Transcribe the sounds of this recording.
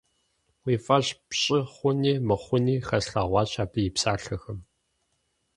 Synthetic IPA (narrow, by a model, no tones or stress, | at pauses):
wiːfʼɐɕpɕʼɪχʷʊniːmɨχʷʊniːxɐsɬaːʁʷɑːɕaːbɨjɪpsaːɬɐxɐm